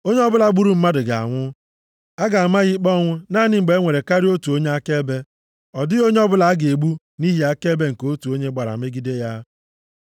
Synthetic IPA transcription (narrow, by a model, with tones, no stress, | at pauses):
o˦ɲe˦ɔ˦bʊ˦la˨˦ɡ͡bu˦ɾu˦m̩˦ma˦dɪ˨ɡa̰˨a̰˨ŋʷʊ˦ | a˦ɡa˨a˨ma˦ɣɪ˦k͡pɔ˦ŋʷʊ˦na˦˨nɪ˦ŋ͡m̩˨ɡ͡be˨˦ŋʷe˨ɾe˨ka˦ɾi˦o˦tu˨o˦ɲe˦a˦ke˦be˦ | ɔ˨dɪ˦o˦ɲe˦ɔ˦bʊ˦la˨a˦ɡe˨ɡ͡bu˦ | ni˦ɦi˦a˦ke˦be˦ŋ̩˨ko˦tu˨o˦ɲe˦ɡ͡ba˨ɾa̰˨me˦ɡi˦de˦ja˦